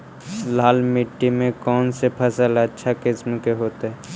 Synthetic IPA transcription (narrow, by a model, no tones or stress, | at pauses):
laːlmɪʈːimẽkɔːnsepʰɐsələtːʃʰakɪsmkeɦoːt̪eɦɛː